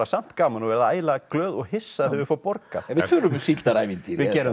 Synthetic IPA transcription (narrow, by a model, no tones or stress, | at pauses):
asam̥t̪kaːmanɔvɛɾðaaːjlaklœːðɔɣhɪsːaθɪvʏɾfɔpɔɾka̰θɛvɪt̪ʰʏːlʏmʏsilt̪aɾaːjvint̪ivɪcɛːɾʏ